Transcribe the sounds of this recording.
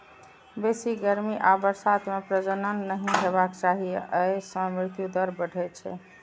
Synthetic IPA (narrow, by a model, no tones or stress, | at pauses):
besiɡəɾmiʔabəɾsat̪mepɾəd͡ʒənənːəɦiɦeβakt͡ʃaɦiəjsə̃mɾɪɾt̪jud̪əɾbəɖʱɛt͡ʃʰɛ̰